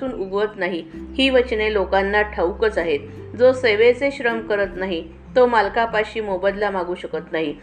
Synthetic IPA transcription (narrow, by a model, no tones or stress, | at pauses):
uːnuɡʋət̪naɦihiːʋət͡ɕnelokanːaʈʰəwkət͡saɦet̪̚ | d͡zoseʋet͡seɕɾəmkəɾət̪naɦi | t̪omalkapaɕiːmobəd̪lamaɡuːɕəkət̪naɦi